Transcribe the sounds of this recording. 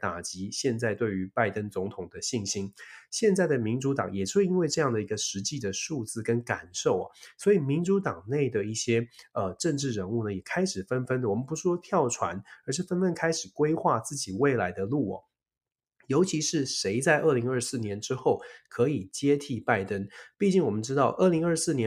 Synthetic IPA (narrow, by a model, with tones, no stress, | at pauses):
t̪a̰˨˩t͡ɕi˧˥ɕjɛ˥˧nt͡sa˥˧ɪt̪we˥˩ɪy˧˥pa˥˩ɪt̪ə˥nt͡sʊ˧˥ŋt̪ʰʊ˨˩ŋd̪ə˦ɕi˥˩nɕi˥nɕjɛ˥˧nt͡sa˥˩ɪd̪ə˩mi˧˥nʈ͡ʂu˧˥t̪ɑ̰˨˩˦ŋjɛ˨˩ʂɻ̩˥˩i˥nwe˥˧ɪʈ͡ʂɤ˥˧jɑ˥˩ŋd̪ə˩i˧˥ɡə˧ʂɻ̩˧˥t͡ɕi˥˩d̪ə˩ʂu˥˧t͡sɹ̩˥˩kə˦˥nka˨˩nʂo˥˩ʊɐ̰˩swɔ˧˥i˨˩mi˧˥nʈ͡ʂu˧˥t̪ɑ˨˩ŋne˥˩ɪd̪ə˩i˥˩ɕjɛ˥ə˨ʈ͡ʂə˥˧ŋʈ͡ʂɻ̩˥˩ɻə˧˥nu˥˩nə˩jɛ˨˩kʰa˥ɪʂɻ̩˨˩fə˥nfə˥nd̪ə˨wɔ˨˩mə˦npu˧˥ʂʂwɔ˥t̪ʰjɑ˥˩ʊʈ͡ʂʰwa̰˧˥nə˞˧˥ʂ̬ɻ̩˥˩fə˥nfə˥nkʰa˥ɪʂɻ̩˨˩kwe˥ɪxwa˥˧t͡sɹ̩˥˩t͡ɕi˨˩we˥˩ɪla˧˥ɪd̪ə˧lu˥˩ɐ̰˨˩ | jo˧˥ʊt͡ɕʰi˧˥ʂɻ̩˥˩ʂe˧˥ɪt͡sa˥˧ɪʔə˥˩li˧˥ŋə˞˥˧sɹ̩˥˩njɛ˧˥nʈ͡ʂɻ̩˥xo˥˩ʊkʰɤ˧˥i˨˩t͡ɕjɛ˥t̪ʰi˥˧pa˥˩ɪt̪ə˥npi˥˩t͡ɕi˥˩ŋwɔ˨˩mə˦nʈ͡ʂɻ̩˥t̪ɑ˥˧ʊʔə˞˥˩li˧˥ŋə˞˥˧sɹ̩˥˩njɛ˧˦